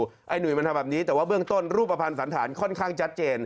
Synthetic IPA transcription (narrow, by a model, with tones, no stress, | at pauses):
ʔa˧jnu˨˩jma˧ntʰa˧aː˨˩p̚niː˦˥t̪ɛː˨˩waː˥˩bɯ˥˩əŋt̪o˥˩nɾuː˥˩pːɾa˧pʰa˧nsa˩˦nt̪ʰaː˩˦nkʰɔ˥˩nkʰaː˥˩ŋt͡ɕʰa˦˥t̪̚t͡ɕeː˧n